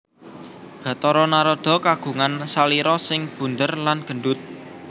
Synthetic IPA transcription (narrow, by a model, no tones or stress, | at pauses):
d̥a̤t̪ɔɾɔnaɾɔd̪̥ɔ̤kaɡ̥ṳŋansaliɾɔsɪŋb̥ṳnd̪ərlanɡ̥ə̤ɳɖʊt̪̚